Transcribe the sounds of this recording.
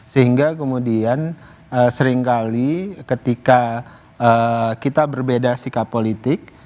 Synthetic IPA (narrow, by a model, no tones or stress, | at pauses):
səɦiŋɡakəmudian | əsəɾɪŋkalikət̪ika | əkit̪abərbedasikapːolit̪ɪk̚